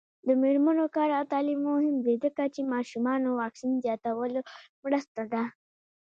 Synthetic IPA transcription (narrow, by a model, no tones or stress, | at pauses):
d̪əmeɾmənokɑɾat̪aːlimoɦɪmb̪ed̪əkat͡ʃemɑʃumɑnowɑksinzjɑːt̪awəlo | mɽəst̪ad̪a